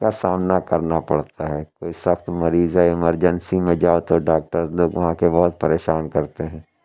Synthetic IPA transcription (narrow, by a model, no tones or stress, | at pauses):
kasaːmnakɐɾnapɐɽt̪aɦɛːkoːisɐxt̪mɐɾiːzaɪməɾd͡ʒənsimẽd͡ʒaːot̪oɖaːk̚ʈəɾzloːɡʋɐɦãkebɔɦʊt̪̚pɐɾeːʃaːnkɐɾt̪eɦɛ̃ː